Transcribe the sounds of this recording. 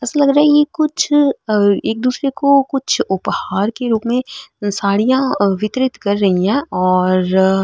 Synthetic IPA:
ɛːsalɐɡɾaːɦɛjekʊt͡ʃʰ | eːk̚d̪uːsɾekokʊt͡ʃʰʊphaːɾkeɾuːpmẽsaːɽijãʋɪt̪ɾɪt̪kɐɾːɐɦiɦɛ̃ːɔːɾ

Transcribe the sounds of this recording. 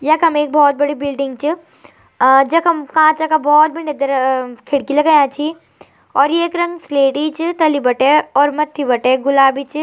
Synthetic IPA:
jɐkɦɐmeːk̚bɔːt̪̚bɐɽibɪlɖɪ̃ŋɡt͡ʃi | d͡ʒɐkɦɐmkãːt͡ʃakabɔːt̪̚bʱined̪ɐɾkʰɪɽkilɐɡajãːt͡ʃʰi | ɔːɾjeːkɾɐ̃ŋɡsleːʈit͡ʃt̪ɐlibɐʈeɔːɾmɐt̪ʰːibɐʈeɡʊlaːbit͡ʃ

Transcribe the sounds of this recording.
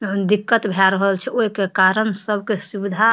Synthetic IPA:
d̪ikːət̪bʱeaɾəɦəlt͡ʃʰɛʔoɦikekaɾənsəbʱkesubid̪ʱa

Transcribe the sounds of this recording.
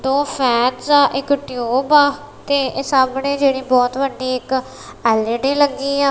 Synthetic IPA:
d̪õːpʰɛːt̪zaːʔɪkʈɪoːbaː | t̪eːeːsaːbɳeːd͡ʒeːɽ̃ĩːbɔːt̪ʋəɖiːɪk | ɛːlẽɖĩːləɡːiːãː

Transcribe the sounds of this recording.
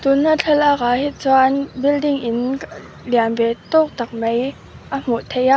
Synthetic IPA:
t̪unːat͡ɬʰɛlʔaːk̚ahit̪̚t͡sɔnbildɪŋʔɪn | lianvɛʔt̪ɔk̚t̪ɐk̚mej | ʔəm̥uʔt̪ʰejaʔ

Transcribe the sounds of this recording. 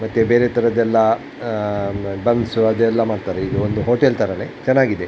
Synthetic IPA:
mɐt̪ːebe̞ːɾet̪ɐɾɐd̪ɛlːɐ | bɐnd̪suɐd̪uɛlːɐmaːɽɖt̪aːɾeiɡ̪ɐond̪uɦoːʈelt̪ʰɐɾɐnet͡ʃɛnːaːɡid̪e

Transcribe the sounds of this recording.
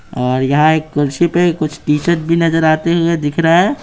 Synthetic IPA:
ɔːɾjɐɦãeːkːʊɾsipekʊt͡ʃʰʈiːt͡ʃəʈ̚bʱinɐzəɾaːt̪eɦʊed̪ɪkʰɾaɦɛː

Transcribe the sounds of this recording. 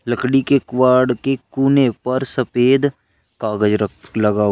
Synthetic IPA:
ləkɽikekwaːɖkekuːnepɐɾsɐpeːd̪ | kaːɡəd͡ʒləɡaː

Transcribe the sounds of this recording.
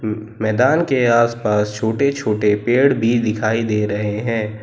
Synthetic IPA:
mɛːd̪aːnkeaːspaːst͡ʃʰoːʈet͡ʃʰoːʈepeːɽbʱid̪ɪkʰaːid̪eːɾɐɦeɦɛ̃ː

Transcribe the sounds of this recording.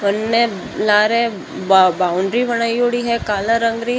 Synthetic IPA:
bənːe | laːɾẽ | bbaːʊɳɖɾibɐɽ̃aːioːɽiɦɛkaːlaɾə̃ŋɡɾi

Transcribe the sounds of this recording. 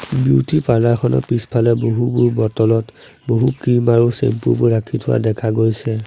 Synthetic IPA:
buwtʰipalaɹkʰɔnɔ̰pispʰalɛboɦubuɹbɔtɔlɔt | boɦukimaɹusḛmpṵbuɹakʰitʰʊwa̰dɛkʰaɡojsɛ

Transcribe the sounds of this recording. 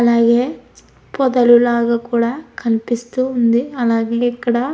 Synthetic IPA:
ɐlaːɡe | pɔd̪ɐlulaːɡɐkuːɽɐkʰɐlpist̪uund̪iɐlaːɡeɛkːɐɽɐ

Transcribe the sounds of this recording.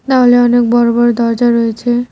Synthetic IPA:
t̪aɦoleɔnek̚bɔɾobɔɾd̪ɔɾd͡ʒaɾɔet͡ɕʰe

